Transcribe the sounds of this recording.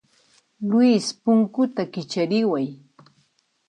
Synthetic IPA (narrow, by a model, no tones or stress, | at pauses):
lwispʊŋkʊt̪akɪt͡ʃaɾɪwaj